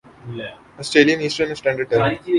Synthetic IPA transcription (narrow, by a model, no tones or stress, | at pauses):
ɔːsʈɾeːlijə̃niːsʈəɾnɪsʈɛ̃ɳɖəɖ̚ʈəɾ